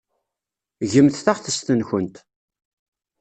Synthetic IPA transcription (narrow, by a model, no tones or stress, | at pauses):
ʝəmθθaʁθəst̪ənçənt̪